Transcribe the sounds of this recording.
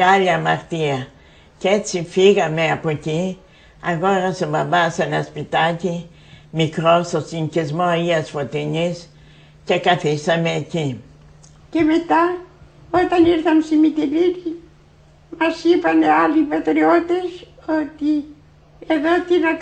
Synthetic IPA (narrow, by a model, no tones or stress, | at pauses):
aʎamaɾt̪ia | cet͡sifiɣameapoci | aɣoɾɐsobabasenaspit̪aci | mikɾost̪osiɲcizmoiasfot̪iɲis | cekaθisameːci | cemet̪a | ot̪ɐniɾθɐnsimit̪iliɾi | mɐsipanealipat̪ɾiot̪esot̪i | eðot̪ina